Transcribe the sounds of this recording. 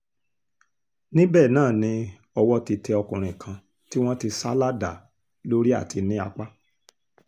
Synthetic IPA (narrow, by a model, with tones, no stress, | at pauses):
nĩ˦bɛː˦˨nãː˦˨nĩ˧ | ɔ˧wɔ˦ti˧tɛ˧ɔ˧kũ˨ɾ̃ĩ˨kʰã˧ | ti˦w̃ɔ̃˦ti˧sa˦la˦da˨ | lo˦ɾi˦a̰˦˨ti˧nĩ˦a˧k͡pa˦